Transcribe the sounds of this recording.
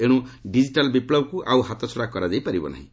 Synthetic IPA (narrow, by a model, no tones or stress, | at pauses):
eɽ̃ũɖid͡ziʈalbiplʌb̚kuʔawɦat̪ot͡sʰoɽakʌɾad͡zajpaɾibɔ̰na̰ɦḭ̃